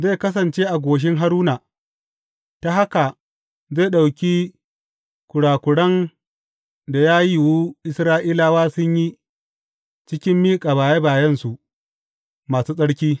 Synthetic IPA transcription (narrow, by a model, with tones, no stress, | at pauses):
ze˦˨kɐ˦s̬ɐ˨nt͡ʃeː˦ʔa˨ɡʷoː˨ʃ̬ɪ˦ŋɦa˦ɾuː˦na˨ | ta˦ha˦ka˨ | ze˦˨ɗa˨wkʲi˦ | kʷʊ˨ɽaː˨kʷʊ˨ɽɐ˦n | da˨jaː˦ji˦wuː˦ʔɪ˦sɾaː˦ʔiː˦laː˦waː˦sʊ˦ɲji˦ | t͡ʃɪ˦kʲɪ˦mːiː˦kʼaː˨baː˨je˦baː˨jɐ˦nsu˨ʔ | maː˨suː˦sʼɐ˦ɽkʲiː˦